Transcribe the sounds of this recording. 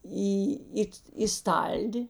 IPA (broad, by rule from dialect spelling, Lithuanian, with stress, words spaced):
ˈiː ˈɪt iː ˈstɐlʲdʲɪ